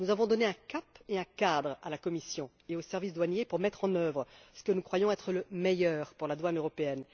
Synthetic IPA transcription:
nuzavɔ̃d̪ɔneɛ̃kapeɛ̃kad̪ʁa̰lakɔmisjɔ̃ | eosɛʁvisd̪wanjepuʁmɛt̪χɑ̃nœvʁəsə̥kənukχwajɔ̃ɛt̪χələmejœːʁpuʁlad̪wanøʁɔpeɛn

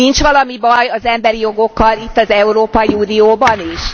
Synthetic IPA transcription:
int͡ʃʋɒlɒmibɒjɒzɛmbɛɾijo̞ɡo̞kːɒlit̪ːɒzɛuɾoːpɒjiuːnioːbɒniʃ

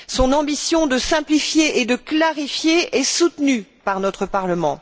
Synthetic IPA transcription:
sɔ̃nɑ̃bisjɔ̃d̪əsɛ̃plifjeʔed̪əklaʁifjeɛsut̪nypaʁnɔt̪χəpaʁləmɑ̃

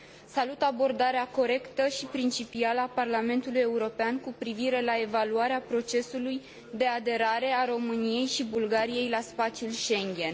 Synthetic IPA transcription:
salut̪abo̞rd̪aɾeako̞ɾe̞kt̪əʃipɾint͡ʃipialəaparlame̞nt̪uluje̞uɾo̞peankupɾiviɾe̞lae̞valuaɾeapɾo̞t͡ʃe̞suluj | d̪e̞ad̪e̞ɾaɾe̞aɾo̞mɨnije̞jʃibulɡaɾije̞jlaspat̪t͡ʃjulʃe̞ŋɡʲe̞n

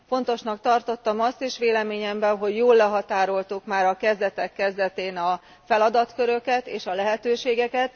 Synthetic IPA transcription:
fo̞nt̪o̞ʃnɒk̚t̪ɒrt̪o̞t̪ːɒmɒst̪eːʃʋeːlɛmeːɲɛmbɛnɦo̞ɟjoːlːɛɦɒt̪aːɾo̞lt̪ukmaːɾɒkɛzd̪ɛt̪ɛkːɛzd̪ɛt̪eːnɒ | fɛlɒd̪ɒt̪køɾø̞kɛt̪eːʃɒlɛɦɛt̪øːʃeːɡɛkɛt̪

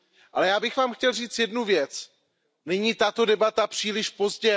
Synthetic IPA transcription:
ʔalɛjaːbɪxvaːmxcɛlriːt͡sjɛdnuvjɛt͡s | nɛɲiːt̪at̪o̞dɛbat̪apr̝̥iːlɪʃpo̞zɟɛ

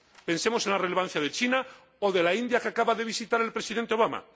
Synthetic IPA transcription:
pe̞nse̞mosenlare̞lean̟θjaðe̞t͡ʃina | oðe̞laind̪jakeakaβaðe̞βisit̪aɾe̞lpɾe̞siðe̞nt̪eo̞β̞ama̰

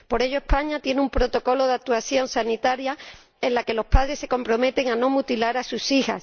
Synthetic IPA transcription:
po̞ɾe̞ʝoe̞spaɲat̪je̞neumpɾo̞t̪o̞ko̞lo̞ðak̚t̪uaθjõ̞nsanit̪aɾja | ẽ̞nlake̞lo̞spaðɾe̞sːe̞ko̞mpɾo̞me̞t̪e̞ŋanõ̞mut̪ilaɾasusiha̰s

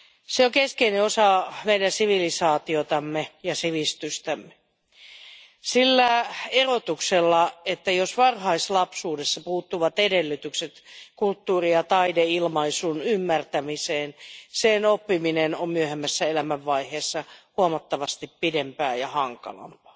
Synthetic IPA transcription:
seokeskeineosɑmeidænsiʋilisɑːt̪iot̪ɑmːejɑsiʋist̪yst̪æmːe̥ | silːæerot̪ukselːɑet̪ːæjosʋɑrhɑislɑpsuːdesːɑpuːt̪ːuʋɑt̪edelːyt̪ykset̪kult̪ːuːrijɑt̪ɑideilmɑisunymːært̪æmiseːnsenopːiminenommyøhemːæsːæelæmæʋːɑiheːsːɑhuɑmɑt̪ːɑʋɑst̪ippidempæːjɑhɑŋkɑ̰lɑ̰mpɑ̥ː

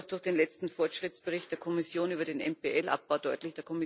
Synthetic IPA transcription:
xd̥ʊɐxd̥eːnlɛt͡stn̩fɔɐtʃʁ̥ɪtt͡sb̥əʁɪçt̚d̥eːɐkʰɔmɪsjoːnyːbɐdeːnɛmpeʔɛlʔa̰p̚b̥aʊd̥ɔʏtlɪçd̥eːɐkʰɔmɪ

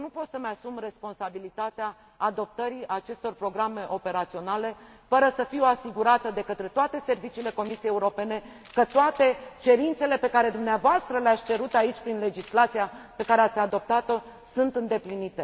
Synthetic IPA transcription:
nupo̞t̪səməasumre̞spo̞nsabilit̪at̪eaː | d̪o̞p̚t̪əɾiat͡ʃe̞st̪o̞rpɾo̞ɡɾame̞ʔo̞pe̞ɾat̪sio̞nale̞ | fəɾəsəfiwasiɡuɾat̪əd̪e̞kət̪ɾe̞t̪oat̪e̞se̞rvit͡ʃiːle̞ko̞misiejeuɾo̞pe̞ne̞ | kət̪oat̪e̞t͡ʃe̞ɾint̪se̞le̞pe̞kaɾe̞d̪umneavoast̪ɾəleat̪sʲt͡ʃe̞ɾut̪ait͡ʃʲpɾinle̞d͡ʒislat̪sijape̞kaɾeat̪sʲad̪o̞p̚t̪at̪o̞sunt̪ɨnd̪e̞plinit̪e̞

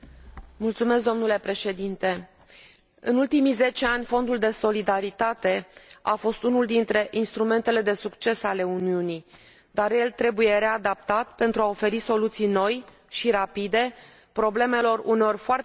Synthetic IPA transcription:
mult̪sumeskd̪omnule̞pɾe̞ʃe̞d̪int̪e̞ | ɨ̰nult̪imize̞t͡ʃe̞anʲfo̞nd̪uld̪e̞so̞lid̪aɾit̪at̪e̞afo̞st̪unuld̪int̪ɾe̞ʔinst̪ɾume̞nt̪e̞le̞d̪e̞sukt͡ʃe̞sale̞uniuni | d̪arje̞lt̪ɾe̞buje̞ɾe̞ad̪ap̚t̪at̪pe̞nt̪ɾuao̞fe̞ɾiso̞lut̪sijno̞j | ʃiɾapid̪e̞ | pɾo̞ble̞me̞lo̞runeo̞rfoar

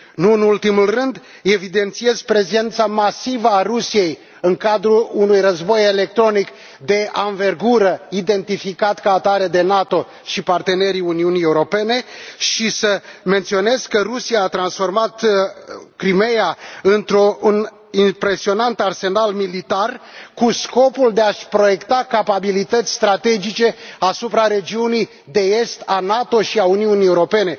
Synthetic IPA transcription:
nuɨnult̪imulrɨnd̪ | e̞vid̪e̞nt̪sije̞zpɾe̞ze̞nt̪samasivəarusije̞j | ɨŋkad̪ɾuunujrəzbo̞je̞le̞k̚t̪ɾo̞nik | d̪e̞anve̞rɡuɾəid̪e̞nt̪ifikat̪kaːt̪aɾe̞d̪e̞nat̪o̞ | ʃipart̪e̞ne̞ɾiuniunie̞uɾo̞pe̞ne̞ʃisəme̞nt̪sio̞ne̞zkərusijaːt̪ɾansfo̞rmat̪ | kɾime̞jaɨnt̪ɾoun | impɾe̞sio̞nant̪əarse̞nalmilit̪arkusko̞puld̪e̞aʃpɾo̞je̞kt̪akapabilit̪ət̪sʲst̪ɾat̪e̞d͡ʒit͡ʃe̞asupɾaɾe̞d͡ʒiunij | d̪e̞e̞st̪anat̪o̞ʃiauniunieuɾo̞pe̞ne̞

